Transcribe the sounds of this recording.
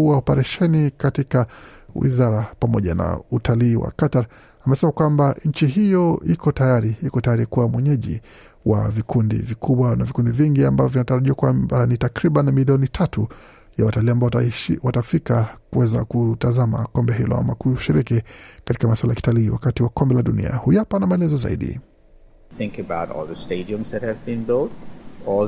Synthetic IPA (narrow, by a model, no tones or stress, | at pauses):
uwaɔpɛɾɛʃɛnikatikawḭzaɾapamɔʄana̰utʰaliːwa̰kataɾ | amɛsɛmakwambaɲ̩t͡ʃiɦijɔikʰɔtajaɾiikɔtajaɾikuwamwɛɲɛʄḭ | wa̰vikundḭvikʰuɓwanavikundiviŋɡiambavɔvinataɾaʄiakwambanitakɾiɓanmiliɔnitʰatu | jawataliːambawatafikakuwɛza̰kutazama̰kɔmbɛɦilɔ̰a̰makuʃiɾikikatikamaswalajaki̥taliːwa̰katiwakɔmbɛlaɗunḭa̰hujapanamaɛlɛzɔza̰ḭɗḭ | θɪ̃ŋkɨbaʊtɔ̰lˠðəsteɪdiə̃mzðɨt̚hɨvbĩnbɪlt̚ɔ